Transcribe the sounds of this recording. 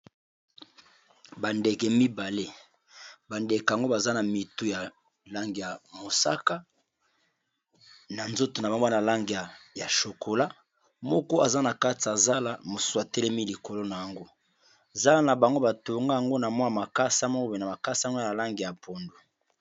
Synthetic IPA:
ba˨nde˨kɛ˨mi˦ba˨le˦ | ba˨nde˨ka˨ŋɡo˦ba˨za˦na˨mi˨tu˦ja˨ | la˦ŋɡi˨ja˨mo˨sa̰˦ka˦ | na˨nzo˦to˨na˨a˨ŋ˦na˨la˦ŋɡi˨a˨ja˨ʃo˨ko˨la˦ | mɔ˦kɔ˦a˨za˦na˨ka˦ti˨a˨za˦la˦mo˨su̥˦su˦a˨tɛ˦lɛ˦mi˦li˨ko˨lo˦na˨ja˨ŋɡo˦˨ | za˦na˨ba˨ŋɡo˦ba˨to˨ŋɡa˦ja˨ŋɡo˦na˨mwa˦˨ma˨ka˦sa˦m˦kbna˨ma˨ka˦sa˦na˨la˦ŋɡi˨ja˨pʰo˨ndo˨

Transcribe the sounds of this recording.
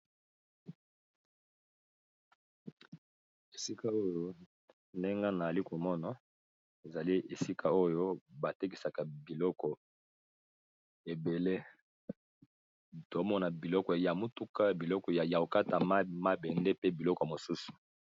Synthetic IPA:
e˨si˦ka˦o˦jo˦ | nde˦ŋɡa˦na˨a˨li˦ko˨mɔ˦na˨ | e˨za˨li˦ʔe˨si˦kʰa˦o˦jo˦ba˨te˦ki˨sa˨ka˨bi˨lɔ˦kɔ˨ | e˨be˨le˦ | to˨˦mɔ˦na˨bi˨lɔ˦kɔ˨ja˨mo˦tu˦ka˦bi˨lɔ˦kɔ˨ja˨ja˨o˨ka˦ta˨˦ma˦bɛ˨nde˦pe˦bi˨lɔ˦kɔ˨mo˨su˦su̥˨

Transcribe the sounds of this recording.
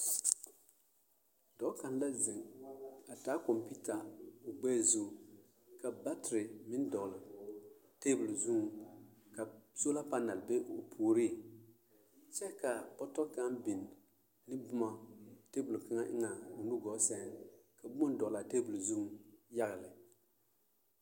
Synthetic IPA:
dɔ˨˦ka˨n˦la˦zɪ˨ŋa˨taː˦kɔ˨mpi˦ta˨ʊ˨ɡ͡bɛ˦˨zo˦˨ | ka˨ba˦tɪ˨ɾɪ˨mɪ˦n˦dɔ˨ɣlɪ˨ | te˦bu˨lzu˦ŋ˨ka˨so˦la˦pa˦na˨lbe˦o˨pʰuː˨ɾi˦˨ | t͡ʃɛ˦ka˨pɔ˦tɔ˦ka˦nbɪ˨n˨ | nɪ˦bʊ˦ma˨te˦bu˨lka˦ŋa˦ʔɪ̰˦ŋa˨o˨nu˦ɡɔ˨˦sɛ˦nka˨bʊ˦a˦n˦dɔ˨la˨teː˦bu˨lzu˦ŋ˦ja˦ɣɨ˨lɪ˨

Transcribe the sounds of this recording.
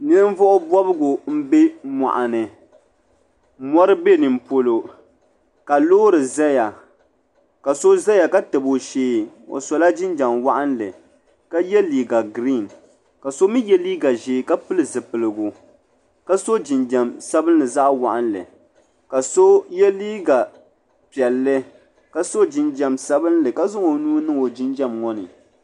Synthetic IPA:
nɨ˦ɨ˦m˦vɔ˦ʔʊ˦bɔ˦bɨ˦ɡʊ˨m̩˦be˦ma̰˨ʔa˨nɨ˨ | mɔ˦ɾɨ˦be˦nɨ˨m̩po˦lo˨ | ka˨loː˦ɾɨ˨za˦ja˨ | ka˨so˦za˦ja˨ka˦tɨ˨bo˨ʃeː˦o̰˨sɔ˨la˦d͡ʒɪ˦nd͡ʒa˨ŋwa˦ʔa˦n˦lɨ˨ | ka˦jɛ˦liː˨ɡa˨ɡɾi˦˨n | ka˨so˦mi˦jɛ˦liː˦ɡa˨ʒeː˨˦˨ka˦pɨ˦lɨ˦˨zɨ˨pɨ˨lɨ˨ɡʊ˨ | ka˦so˦d͡ʒɪ˨nd͡ʒa˨msa˦bɨ˦n˦lɨ˨za˦ʔwa˨ʔa˦n˦lɨ̰˨ | ka˨so˦jɛ˦liː˦ɡa˨ | pi˨ɛ˨lːɨ˦ | ka˦so˦d͡ʒɪ˨nd͡ʒɛ˨msa˦bɨ˦nlɨ˨ka˦zʊ˦ŋo˨nuː˦nɨ˦ŋo˨d͡ʒɪ˦nd͡ʒa˦mŋɔ˦nɨ̰˨

